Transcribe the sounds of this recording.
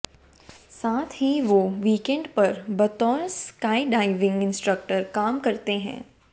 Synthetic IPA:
saːt̪ʰɦiʋoːʋiːkɛ̃ɳɖpɐɾbɐt̪ɔːnskaːiɖaːɪʋɪ̃ŋɡɪ̃nsʈɾək̚ʈəɾkaːmkɐɾt̪eɦɛ̰̃ː

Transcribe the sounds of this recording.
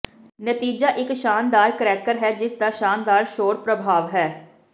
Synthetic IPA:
nət̪iːd͡ʒaːʔɪkʃaːnd̪aːɾkəɾɛːkəɾɦɛːd͡ʒɪsd̪aːʃaːnd̪aːɾʃoːɾpɾəbʱaːʋɦɛː

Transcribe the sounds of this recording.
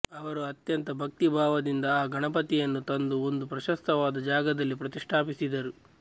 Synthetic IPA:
ɐʋɐɾuɐt̪jɐnt̪ɐbʱɐk̚t̪ibʱaːʋɐd̪ind̪ɐaːɡɐɳɐpɐt̪ijɐnːut̪ɐnd̪uo̞nd̪upɾɐʃɐst̪ɐʋaːd̪ɐd͡ʒaːɡɐd̪ɐlːipɾɐt̪iʂʈʰaːpisid̪ɐɾu

